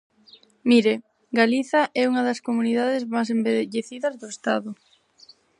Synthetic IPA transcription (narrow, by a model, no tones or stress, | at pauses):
miɾe | ɡaliθɐʔɛuŋɐðɐskomuniðaðɪzmajs̬embeðʎeθiðɐzðʊest̪aðʊ